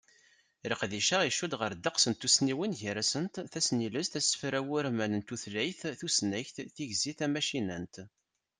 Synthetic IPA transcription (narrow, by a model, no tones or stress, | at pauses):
ɾəqðiʃæʁiʃud̪ʁəɾd̪ɑqsənt̪ːusniwənʝəɾæsənt̪θæsniləzt̪æsːə̥fɾæwʊɾmænənt̪uθlæjθθusnæçθθiʝziθæmæʃinənt̪